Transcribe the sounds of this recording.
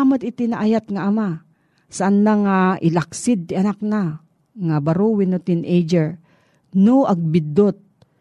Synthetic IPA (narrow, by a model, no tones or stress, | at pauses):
amad̪ɪt̪ɪnaʔajat̪̚ŋaʔːma | saʔanːaŋaʔɪlaksɪd̪̚nɪɐnak̚na | ŋabaɾuwɪnot̪ɪnʔejd͡ʒɛɹ | noʔɐɡ̚bɪd̪ːot̪̚